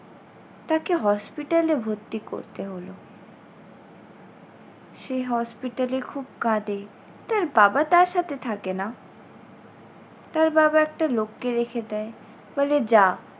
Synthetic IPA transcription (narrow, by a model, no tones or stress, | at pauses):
t̪akeɦɔspiʈalebʱot̪ːiko̰ɾt̪eɦolo | ʃeɦɔspiʈalekʰub̚kãd̪e | t̪aɾbabat̪aɾʃat̪ʰet̪ʰakena | t̪aɾbabaɛk̚ʈalokːeɾekʰed̪ɛe | bɔled͡ʑa